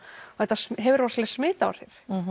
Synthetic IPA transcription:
θɛt̪ːasɦɛvʏɾvarslɛsmɪːt̪aa̰ɾ̥θjɛɾ̥

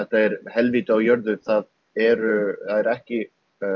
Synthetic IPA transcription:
ɛht̪aɛɾ̥hɛlviːt̪ʏawjœɾðʏθað | ɛɾʏθaðɛɾɛhcɪ

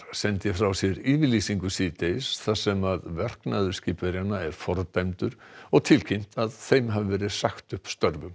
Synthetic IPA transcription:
sɛnt̪jɛfɾawsjɛɾiːvɪliːsiŋkʏsiːt̪ejsθasɛmaðvɛr̥knaðʏ̥sciːpɛɾjanːaɛɾ̥fɔɾt̪ajmt̪ʏɾ̥ɔɣt̪ʰɪlcʰin̥t̪aðθejmɦavɪvɛːɾɪðsaxt̪ʏhpst̪œɾvʏm

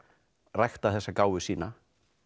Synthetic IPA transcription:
rajxt̪aθɛsːakaːwvʏsiːna

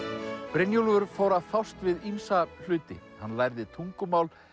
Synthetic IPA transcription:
pɾɪnjulvʏɾ̥foːwɾaðfawst̪vɪðinsal̥ʏːt̪ɪ̰hanːlajɾðɪt̪ʰuŋkʏmaːwl

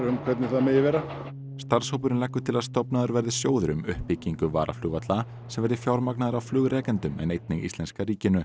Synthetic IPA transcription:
ɾʏmkʰvɛt̪nɪθaðmɛɪjɪvɛːɾa | st̪aɾ̥showpʏnlɛkːʏt̪ʰɪlaðst̪ɔpnaðʏɾvɛɾðɪsjoːwðʏɾʏmʏhpɪciŋkʏvaːɾa̰flʏːɣat̪la | sɛmvɛɾðɪfjawɾmaknaːðɪɾawflʏːɣɾɛːkɛnt̪ʏmɛ̰nejt̪̚nɪɣḭst̪lɛnskaɾiːcɪnʏ

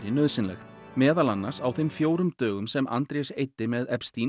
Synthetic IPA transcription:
ɾɪnœðsɪnlɛ̰xmɛːðalanːaɾ̥sawθemfjoːwɾʏmt̪œːɣʏmsɛmʔa̰nt̪ɾejsejt̪ːɪmɛðɛpst̪in

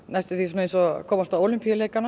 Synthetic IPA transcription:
najst̪ɪθisuːnejnsɔkʰɔːmast̪aoːwlympialeːjkana

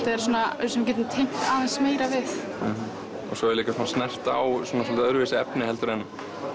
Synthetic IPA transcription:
t̪aɛɾ̥sɔːnasɛmc̬ɛt̪ɪmt̪ʰejŋ̥t̪aːðɛnsmeːjɾavɪθ | ɔ̰ɣsɔɛɾliːkasɔnast̪nɛr̥t̪a̰wswɔːnas̬ɔlt̪œɾvɪːsɪɛpnɪɦɛlt̪ʏɾɛnːʏm

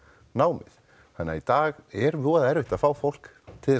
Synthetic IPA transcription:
naːwmɪ̰ð̥ | hanːa̰it̪aːɣɛɾvɔːɣaðɛɾvɪht̪aðfaːwfowl̥k | t̪ʰɪ

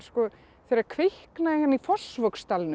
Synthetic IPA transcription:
skɔ | θeɾaɾkʰvɪhknaɪhanːifɔl̥svœkst̪alnʏ

